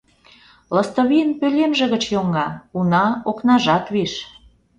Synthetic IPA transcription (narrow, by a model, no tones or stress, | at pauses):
ləst̪oβijənpølʲemʒĕɣə̆t͡ɕjoŋɡɑunɑoknɑʒɑt̪βiʃ